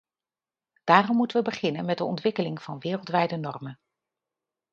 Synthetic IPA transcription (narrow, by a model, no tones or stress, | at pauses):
d̥aːrɔmːutənʋəbəχɪnənmɛdəɔ̰ntʋɪkəlɪŋv̥ɑnʋɪːrəlˠtʋɛjdənɔɹmən